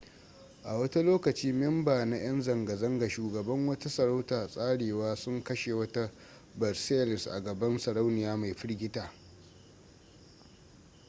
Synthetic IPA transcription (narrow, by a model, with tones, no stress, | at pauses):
ʔa˨wɐ˦ta˦loː˦kɐ˨t͡ʃiː˦mɛ˦mbaː˨na˦j̰ɐ˦nzɐ˨ŋɡa˨zɐ˦ŋɡa˨ʃuː˨ɡɐ˨bɐ˦ŋwɐ˦ta˦sɐ˨ɾa˦wtaː˨sʼaː˦ɽeː˨waː˦sʊ˦ŋkɐ˦ʃe˨wɐ˦ta˦ | bɐ˨rseː˦lɪ˨sʔa̰˨ɡɐ˨bɐ˦nsɐ˨ɽa˦wnɪ˨jaː˦ma˨jɸɪ˦ɽɡʲɪ˦taː˨